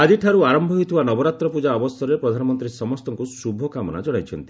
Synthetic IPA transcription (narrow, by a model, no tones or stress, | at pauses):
ad͡ʒiʈʰaɾuaɾɔmbʱɔɦojt̪ʰibanɔbɔɾat̪ɾɔpud͡ʒaɔbɔsɔɾepɾɔd̪ʱanɔmɔnt̪ɾisɔmɔst̪ɔŋkusubʱɔkamɔna̰d͡ʒɔɽ̃ajt͡ʃʰɔnt̪i